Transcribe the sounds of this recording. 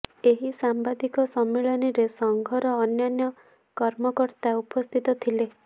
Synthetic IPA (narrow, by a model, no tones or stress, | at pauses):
eɦisambad̪ikɔsɔmːeɭɔniɾesɔŋɡʱɔɾɔːnjanjɔ | kɔɾmɔkɔɾt̪aupɔst̪ʰit̪ɔt̪ʰile